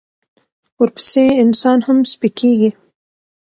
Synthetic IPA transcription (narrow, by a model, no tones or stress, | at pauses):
wəɾpə̥seɪnsɑnhamspikʰeɡi